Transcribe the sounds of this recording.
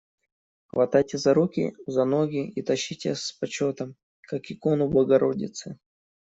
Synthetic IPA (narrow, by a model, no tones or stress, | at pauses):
xvɐt̪ajtʲɪzɐɾukʲḭzɐnoɡʲɪit̪ɐɕːitʲɪspɐt͡ɕot̪əm | kakɪkonʊbˠəɡɐɾo̞dʲɪ̰t̪sɨ